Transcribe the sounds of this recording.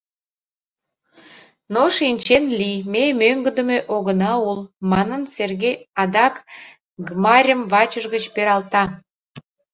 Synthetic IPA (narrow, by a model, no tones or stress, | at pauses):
noʃinʲt͡ɕenlimemøŋɡəd̪ə̆meʔoɣənɑulmɑnənserɣejɑd̪ɑk | ɡmɑɾʲəmβɑt͡ɕəʒɣət͡ɕpeɾɑlt̪ɑ